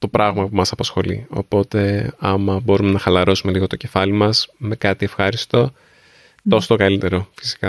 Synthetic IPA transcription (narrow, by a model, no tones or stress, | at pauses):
t̪o̞pɾɐɣmɐpumɐsɐpɐsxo̞lḭo̞̰po̞t̪e̞ɐmɐbo̞ɾume̞nɐxɐlɐɾo̞sume̞liɣo̞t̪oce̞fɐlimɐsme̞kɐt̪ie̞fxɐɾist̪o̞ | tt̪o̞sot̪okɐlit̪e̞ɾo̞fi̥si̥kɐ